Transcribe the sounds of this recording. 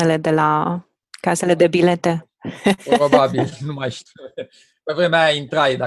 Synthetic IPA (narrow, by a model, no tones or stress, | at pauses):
ele̞d̪e̞la | kase̞le̞d̪e̞bile̞t̪e̞ | pɾobabilnumajʃt̪i | pevɾemeajaint̪ɾajd̪a